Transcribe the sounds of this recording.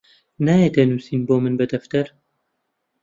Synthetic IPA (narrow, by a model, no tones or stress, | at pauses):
naːjet̪ɐnuːsiːnboːmɨnbɐd̪ɐft̪ɐɾ